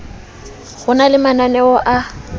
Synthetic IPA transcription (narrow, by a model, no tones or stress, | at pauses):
ɣʊnalɪmananɛɔʔa